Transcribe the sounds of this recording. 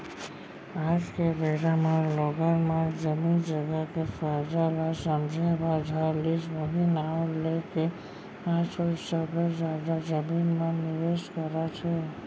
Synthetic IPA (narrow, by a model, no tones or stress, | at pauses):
ad͡ʒkeɾeɾamãlɔɡəɾmãd͡ʒəmind͡ʒəɡakefəɾd͡ʒalasəmd͡ʒʱəbãd͡ʒʱaɾlid͡ʒʋəɦinaleke | ãsosəbɾod͡ʒad̪ad͡ʒəminmãnɪʋeʃkəɾat͡ʃʰe